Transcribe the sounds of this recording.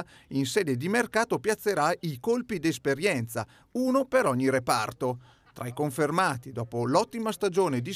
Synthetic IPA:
insɛːd̪ed̪imerkaːt̪opjat̪sːeɾaikolpid̪espeɾjɛnt̪sa̰ | uːnopeɾɔɲːiɾepa̰rt̪o | t̪ɾʔajkoɱfermaːt̪id̪ɔːpolɔt̪ːimast̪ad͡ʒoːned̪i

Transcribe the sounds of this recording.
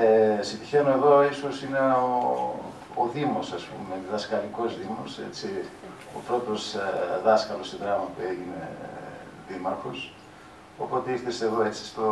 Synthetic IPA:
esit̪i̥çe̞noe̞ðo̞iso̞sine̞o | oðimo̞sɐspumeðɐskɐliko̞zðimose̞̰t͡si | o̰pɾo̞t̪o̞sðɐskɐlosiðɾɐmɐpue̞ʝine̞̰ | ðimɐɾxos | opo̞t̪eiɾθeseːðo̞e̞t͡si̥st̪o

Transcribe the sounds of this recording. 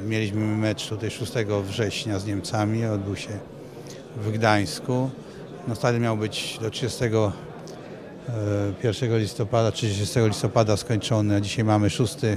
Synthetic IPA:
mʲjelʲiɕmɘmɛt͡ʂt̪ut̪ajʂust̪ɛɡɔvʐɛɕɲazɲɛmt̪samʲiɔd̪̚bɘwɕɛ | vɡd̪aj̃sku | nɔst̪ad̪ɘmʲjawbɘt͡ɕd̪ɔtʂɨd͡ʑɛst̪ɛɡɔ | pʲjɛɾfʂɛɡɔlʲist̪ɔpad̪atʂɨd͡ʑɕɛst̪ɛɡɔlʲist̪ɔpad̪askɔɲt͡ʂɔnɛd͡ʑiɕajmamɘʂust̪ɘ

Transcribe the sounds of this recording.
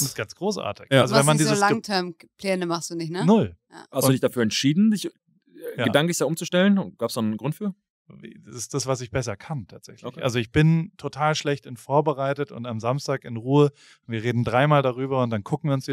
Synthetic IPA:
ʊnɪstɡ̥ansɡ̥ʁoːsʔa̰ːɐtɪçalzovɛnmandiːzəlaŋtʰɛɐm | pʰlɛːnəmaχstd̥uːnɪçnənʊlja̰hastuːdɪçdafyːɐɛntʃiːdn̩dɪç | jaɡəːdaŋklɪçd̥aːʔʊmt͡suʃtɛlənɡ̥aːpsd̥annnɡʁʊntfyːɐ | v̰dasɪsd̥asv̥as̬ɪçb̥ɛs̬ɐkʰantʰaːtz̥ɛ̰çlçʔa̰lzoɪçb̥ɪntʰotʰaːlʃlɛçtɪnfoːɐbəʁaɪtətʊ̰ntamzamstaːkɪnʁuːə | ʊntviːɐʁ̞eːdn̩dʁaɪmaːldaʁ̞yːbɐʊnt̚d̥ankʰʊkŋ̩iːɐʊnsd̥

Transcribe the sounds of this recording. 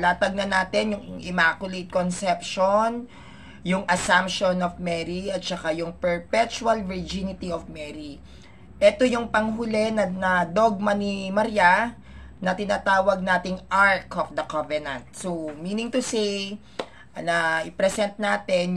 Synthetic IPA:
laːt̪ɐɡ̚nɐnaːt̪ɪnjʊŋʔɪmaːkjʊlejt̪̚konsɛpʃon | jʊŋʔɐsampʃonɔfmɛɾiɐt̪̚t͡ʃɐkajʊŋpɛɹpɛt͡ʃuɐlvɪɹd͡ʒinɪt̪iofmɛɾi | ʔɛt̪ojʊŋpɐŋɦʊlɛnɐnɐd̪oɡ̚mɐnimɐɾija | nɐt̪ɪnaːt̪aːwɐɡ̚naːt̪ɪŋʔaɹkɔfd̪ɐkavɛnɐnt̪̚somiːnɪŋt̪ʊsej | nɐʔɪpɾɛsɛnt̪̚naːt̪ɛn

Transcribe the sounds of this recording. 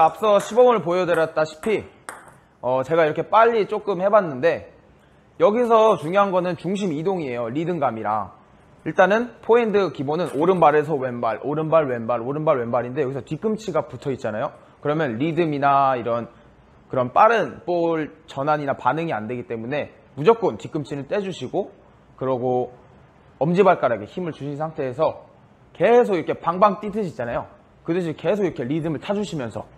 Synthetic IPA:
eap̚s͈ʌɕʰibʌɡʌnɯɭpojʌdɯɾjʌt̚t͈aɕʰi̥pʰi | ʌt͡ɕe̞ɡaiɾʌkʰe̞p͈aʎːit͡ɕ͈ok͈ɯmhe̞banːɯnde̞ | jʌɡisʰʌt͡ɕuŋjoɦanɡʌnɯnt͡ɕuŋɕ̬ʰimidoŋie̞joɾidɯŋɡamiɾa̰ | iɭt͈anɯnpʰoindɯkibonɯnʔoɾɯnbaɾe̞sʰʌwenbaɭʔoɾɯnbaɭwe̞nbaɾoɾɯnbaɭwe̞mbaɾinde̞jʌɡisʰʌtik͈ɯmt͡ɕʰiɡaputʰʌit̚t͡ɕ͈anajo | kɯɾʌmjʌnɾidɯminaiɾʌn | kɯɾʌnp͈aɾɯnp͈oɭt͡ɕʌnaɲinapanɯŋia̰nde̞ɡit͈e̞mune̞ | mud͡ʑʌk͈̚ontik͈ɯmt͡ɕʰinɯɭt͈e̞d͡ʑuɕʰiɡo | kɯɾʌɡo | ʌmd͡ʑibaɭk͈aɾaɡe̞çimɯɭt͡ɕuɕʰinsʰaŋtʰe̞ːsʰʌ | ke̞s̬ʰoɡiɾʌkʰe̞paŋbaŋt͈itʰɯɕʰit͡ɕ͈anajo | kɯtɯɕ̬ʰike̞sʰoɡiʌkʰe̞ɾidɯmɯɭt͡ɕʰad͡ʑuɕʰimjʌnsʰʌ

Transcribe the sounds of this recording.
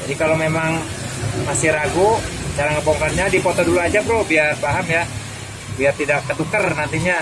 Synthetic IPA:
d͡ʒadikalomemaŋ | masɪɾaɡud͡ʒalaŋkəpɔŋkarɲadipɔt̪ɔduluad͡ʒapɾobiarpaɦamja | biart̪idakːət̪ukərnant̪iɲa

